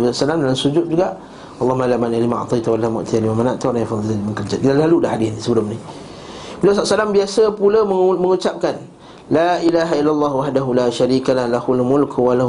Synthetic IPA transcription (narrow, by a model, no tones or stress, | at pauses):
saʔsalamdalamsud͡ʒʊt̪̚d͡ʒuɡaʔ | ɑlˤːɑhmalamanalima̰ʕt̪ˤɑjt̪awalamʊ̰ʔt̪ʰijalimamanaʔt̪aoɾaŋjafɑðˤilaməŋkərd͡ʒakit̪alaludahadɪsnisəbəlʊmni | bilas̬aʔsalambiasəpulaməməŋut͡ʃap̚kan | laʔilaːɦailːalˤːɑːhwaħdaɦulaːʃaɾiːkalahlahualmʊlkwala